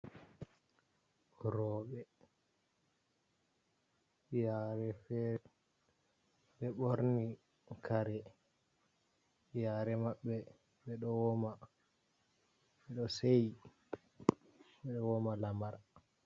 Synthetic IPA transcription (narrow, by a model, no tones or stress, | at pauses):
ɾɔːɓɛ | jaːɾɛfɛɾɛ | ɓɛɓoɾni | kʰaɾɛ | jaːɾɛmaɓːɛ | ɓɛɗɔwɔma | ɓɛɗɔseji | ɓɛɗɔwɔmalamaɾa